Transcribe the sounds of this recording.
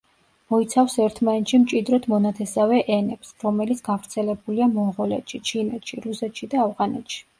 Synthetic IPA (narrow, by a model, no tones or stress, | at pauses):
mɔit̪sʰafsɛɾt̪ʰmanɛt̪ʃimt͡ʃʼid̪ɾɔt̪ʰmɔnat̪ʰɛsavɛʔɛnɛpsɾɔmɛlit̪sʰɡ̥avɾt̪sʰɛlɛbuliamɔɴʁɔlɛ̰t̪ʃit͡ʃʰinɛt̪ʃiɾusɛt̪ʃid̪aːvʁanɛ̰t̪ʃi̥